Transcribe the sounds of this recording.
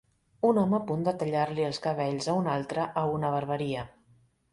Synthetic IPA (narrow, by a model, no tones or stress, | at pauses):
unɔməːpund̪ət̪əʎarliəlˠskəβ̞ɛʎzəunalˠt̪ɾəʔəunəβəɾβəɾiə